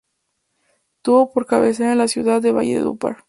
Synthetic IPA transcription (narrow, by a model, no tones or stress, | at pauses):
t̪uβopo̞ɾkaβes̬eɾenlasjuðaðːeβa̰ʝḛðṵpa̰ɾ